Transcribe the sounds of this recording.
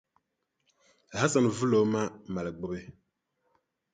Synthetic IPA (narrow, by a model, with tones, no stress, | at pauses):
ɦa˦sa˨n˨vu˦lo˨˦ma˦ma˨lɡ͡bo˦be˦